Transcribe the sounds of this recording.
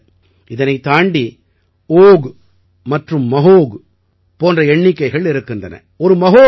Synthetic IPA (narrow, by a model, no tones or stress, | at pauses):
ɪðɐnɐɪt̪aːɳɖi | oːɣ | mɐʈrɯmːɐɦoːɣ | poːndrɐɛɳːɪkːɐɪɣɐɭɪɾɯkːɯndɐnɐ̰ | ɔɾɯmɐɦoː